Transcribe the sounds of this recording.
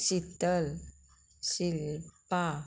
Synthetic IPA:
sit̪əl | silpa

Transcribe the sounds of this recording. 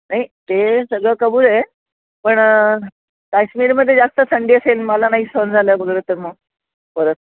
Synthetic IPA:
naɦit̪esəɡɭəkəbuːɾɦe | pəɳ | kasmiːɾməd̪ʱːjed͡zast̪əsəɳɖiːəselməlanaɦisond͡zʱaləbʱəɡlet̪əɾmə | pəɾət̪

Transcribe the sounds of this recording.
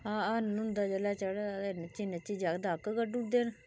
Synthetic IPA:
aːnːʊnd̪aːd͡ʒəlaːt͡ʃəɽant͡ʃinet͡ʃiːd͡ʒaːkd̪aːkkəʈud̪eːn

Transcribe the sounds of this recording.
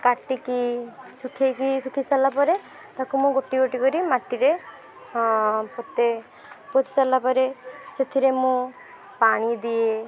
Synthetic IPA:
kaʈːikisukʰekisukʰisalapɔɾe | t̪akumũɡoʈːiɡoʈikɔɾimaʈːiɾe | pot̪e | pot̪i̥salːapɔɾeset̪ʰiɾemũ | paɽ̃id̪ie

